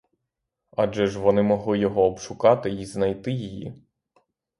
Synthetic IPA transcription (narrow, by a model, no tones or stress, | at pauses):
ɑd͡ʒɛʒʋɔnɪmɔɦlˠɪjɔɦɔːbʃʊkɑt̪ɪiznɐjt̪ɪjijḭ